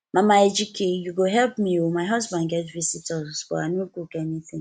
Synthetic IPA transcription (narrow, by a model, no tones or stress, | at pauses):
mamaed͡ʒikʰejuɡoɦɛlpmiwomaɦɔzbãndɡɛtvisitɔbɔ̰a̰nokukeniθɪ̃ŋ